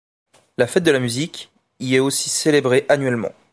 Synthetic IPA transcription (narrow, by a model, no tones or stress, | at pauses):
lafɛt̪̚d̪əlamyzikʲ | iɛosi̥selebʁeʔanɥɛlmɑ̰̃